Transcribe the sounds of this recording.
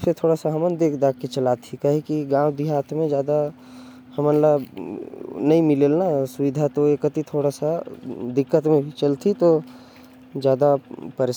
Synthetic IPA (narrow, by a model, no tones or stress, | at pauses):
pset̪ʰoːɽasaɦəmənd̪ekʰd̪akkːet͡ʃəlat̪ʰikəɦikiɡãːwd̪iɦaːt̪mẽd͡ʒjaːd̪a | həmənla | nɐĩmɪlelnasuʋid̪ʱat̪oekət̪it̪ʰoːɽasad̪ɪkːət̪mẽbʱit͡ʃəlt̪ʰit̪o | d͡ʒjaːd̪apəɾe